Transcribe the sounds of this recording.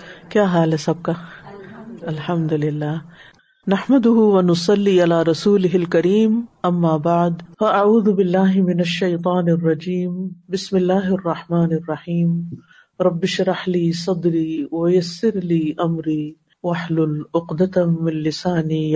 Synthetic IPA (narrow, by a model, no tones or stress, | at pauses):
kjaːɦaːlesɐb̚ka | alħɐmd̪ʊlɪlːaː | naħmad̪ʊɦʊwɐnʊsˤɑlːiːʔalaːɾˤɑsuːlɪɦɪlkɐɾiːmʔɐmːaːbaʕd̪fɐʔaʕuːðʊbɪlːaːɦɪmɪnaʃːɐjt̪ˤɑːnɪrˤːɑd͡ʒiːmbɪsmɪlːaːɦɑrˤːɑħmaːnɪrˤːɑħiːm | ɾˤɑbːɪʃɾˤɑħliːsˤɑd̪ɾiːwajasːɪɾliːʔɐmɾiː | waħlʊlʊqd̪at̪amɪnlɪsaːni